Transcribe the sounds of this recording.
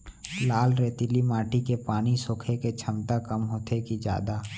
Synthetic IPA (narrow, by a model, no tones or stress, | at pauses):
laːlɾet̪ilimaːʈikepaːñisʊkʰeket͡ʃʰɐmt̪akəmɦoːt̪ekid͡ʒja̰ːd̪aː